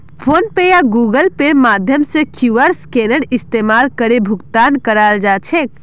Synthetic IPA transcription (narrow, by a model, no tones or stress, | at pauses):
pʰonpejaɡuɡəlpeɾmad̪ʱjəmsẽkʰjuəɾskenəɽist̪emalkəɾebʱukt̪ankəɾald͡ʒat͡ʃʰek̚